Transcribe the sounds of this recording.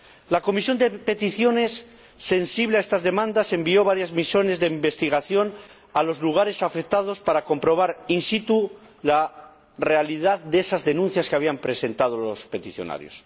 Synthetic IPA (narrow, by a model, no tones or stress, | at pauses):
lako̞misjo̞nd̪e̞pe̞t̪iθjo̞ne̞sː | e̞nsiβleaest̪azðe̞mãnd̪ase̞mbio̞β̞aɾjazmisjo̞ne̞zðe̞imbe̞st̪iɣ̞aθjo̞n | alo̞zluɣ̞aɾe̞safek̚t̪aðo̞spaɾako̞mpɾo̞β̞aɾinsit̪u | la | re̞aliðaðd̪esazðe̞nũn̟θjaskeaβ̞iampɾe̞se̞nt̪að̞olo̞spe̞t̪iθjo̞̰na̰ɾjo̰s